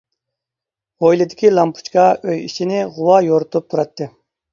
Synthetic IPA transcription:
ʁojlˠɪd̪ɪkʲilˠɑmpʰu̥t͡ʃkɑøjḭt͡ʃʰinɪʁʊwɑjoɾʊt̪ʰup̚t̪ʰuɾɑt̪ʰːɨ

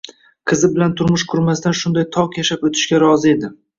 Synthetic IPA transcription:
qʰɨzɪbɪlant̪ʰʊɾmʊʃqʰʊɾmast̪anʃʊnd̪ajt̪ʰɒqjaʃapot̪ʰɪ̥ʃkʲaɾɒzɪe̞d̪ɪ

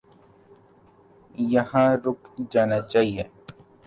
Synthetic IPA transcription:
jəɦãːɾʊkd͡ʒaːnat͡ʃaːɦieː

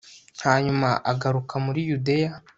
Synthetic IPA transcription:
haːɲumaʔaɡaɾukʰamuɾijude̞ja

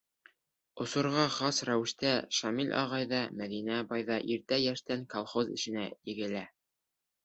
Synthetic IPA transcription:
ŏsŏɾʁɑχɑsɾæwɘ̆ʃt̪æʃɑmilʲʔɑ̰ʁɑjðɑmæðinæbɑjðɑʔiɾt̪æjæʃt̪æŋkolˠχozɘ̰̆ʃɘ̆næjɘ̆ɡɘ̆læ

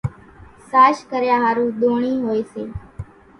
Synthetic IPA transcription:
saːʃkəɾjãːɦaːɾũːɗ̪oːɳ̃iːɦoːeːseː

